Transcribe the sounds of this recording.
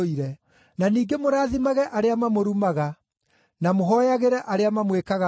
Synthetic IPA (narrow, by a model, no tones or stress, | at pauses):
iɾɛ | naniːɡemoɾaːðimaɣɛʔaɾeamamoɾumaɣa | namoɦɔjaɣeɾɛʔaɾeamamwekaɣa